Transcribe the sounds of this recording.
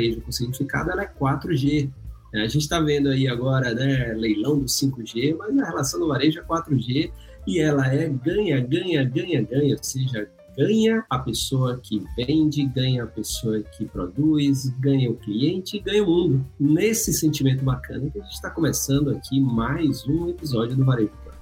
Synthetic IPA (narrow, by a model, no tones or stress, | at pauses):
aɾeʒʊkõsiɡɲt͡ʃifika̰d̪ʊɛlɐɛkwat̪ɾʊʒenɛaʒẽnt͡ʃɪ̥t̪avẽnd̪ʊaiaɡɔɾɐnɛlejlɐ̃w̃d̪ʊsĩŋkʊʒemɐznɐhelasɐ̃w̃d̪ʊvaɾeʒʊɛkwat̪ɾʊʒe | ɪɛlɐɛɡɐ̃ɲɐɡɐ̃ɲɐɡɐ̃ɲɐɡɐ̃ɲɐoseʒɐ | ɡɐ̃ɲɐɐpesoɐkʰɪvẽnd͡ʒɪɡɐ̃ɲɐːpesoɐkʰɪpɾo̰d̪ujzɡɐ̃ɲɐʊkliẽnt͡ʃɪɡɐ̃ɲɐʊmũnd̪ʊnesɪsẽnt͡ʃimẽnt̪̬ʊbakɐ̰̃nɐkɪaʒẽt͡ʃɪ̥t̪akõmesɐ̃nd̪ʊakʰimajzũepizɔd͡ʒjʊd̪ʊvaɾeʒʊɐ̰̃